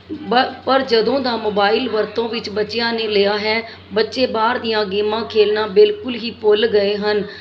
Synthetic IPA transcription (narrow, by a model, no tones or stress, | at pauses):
bəpəɾd͡ʒəd̪õːd̪ãːmoːbaːɪlʋəɾt̪õːʋɪt͡ʃbətːt͡ʃɪjãːneːleːaːɦɛː | bətːʃeːbaːɾd̪ijãːɡiːmãːkʰeːlnãːbɪlkʊlɦiːpʊlɡəeːɦən